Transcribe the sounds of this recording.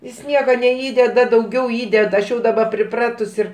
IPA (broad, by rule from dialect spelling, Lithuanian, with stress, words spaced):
jɪs ˈnʲiɛkɐ nʲɛˈiːdʲɛdɐ dɐʊˈɡʲɛʊ ˈiːdʲɛdɐ ɐʃ ˈjɛʊ dɐˈbɐ pʲrʲɪˈprɑːtʊs ɪr